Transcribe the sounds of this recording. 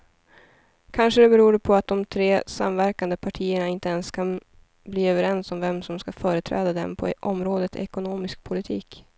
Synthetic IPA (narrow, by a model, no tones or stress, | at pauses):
kʰanʂəd̪ɛbɛɾuːɖpʰɔat̪̚d̪ɔmt̪ʰɾeːsa̰mvæɾkand̪əpʰaʈʰiːəɳaɪnt̪əɛnskʰan | bliːøːvəɾɛnsɔmvɛmsɔmskafœːɾət̪ʰɾɛ̰ːd̪ad̪ɛ̰mpʰɔ̰ʔɔmɾoːd̪ət̪ɛ̰kʊnoːmɪsk̚pʰʊlɪt̪ʰiːk